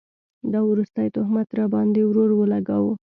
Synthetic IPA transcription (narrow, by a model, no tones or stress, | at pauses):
d̪ɑwɾust̪ajt̪ʊhmat̪ɾɑbɑnd̪ewɾoɾwəlaɡawə